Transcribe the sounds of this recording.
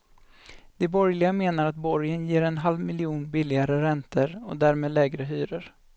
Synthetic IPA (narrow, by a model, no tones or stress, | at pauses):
d̪̥ɛbɔɾjlɪɡameːnaɾat̪̚bɔɾjənjeːɾɛnɦalvmɪlɪuːnbɪlːɪɡaɾəɾɛnt̪ʰəɾɔ̰d̪æːɾmeːd̪lɛːɡɾəɦyːɾəɾ